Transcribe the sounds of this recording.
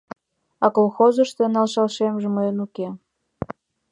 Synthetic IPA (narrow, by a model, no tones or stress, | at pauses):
ɑkolˠxozəʃt̪enɑlʃɑlʃemʒeməjənuke